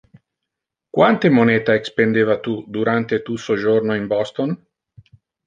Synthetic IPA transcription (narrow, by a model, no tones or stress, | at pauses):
kwant̪emonɛːt̪aekspend̪evat̪ud̪uɾant̪et̪usod͡ʒornoimbɔst̪on